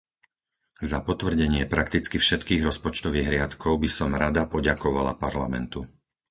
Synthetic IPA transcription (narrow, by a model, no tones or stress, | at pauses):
zapɔt̪ʋr̩ɟɛɲɪɛpɾakt̪it͡skifʃɛt̪kiːɣɾɔspɔt͡ʃt̪ɔʋiːɣɦɾɪat̪kɔʊbisɔmɾad̪apɔɟakɔʋala̰paɾla̰mɛ̰nt̪u